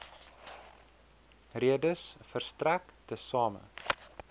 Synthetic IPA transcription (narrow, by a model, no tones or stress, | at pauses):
reədəsfərstræktəsɑːmə̰